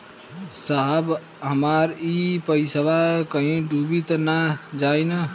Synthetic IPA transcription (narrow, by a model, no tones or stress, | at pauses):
saɦəb | ɦəmaɾipəisəbakəɦĩɖubit̪nad͡ʒaina